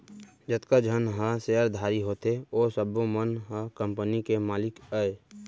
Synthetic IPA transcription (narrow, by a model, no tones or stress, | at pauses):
d͡ʒət̪kad͡ʒʱənɦəseəɾd̪ʱaːɾiɦot̪eoːsəbõmənɦə̃kə̃mpənikemaːlɪkəe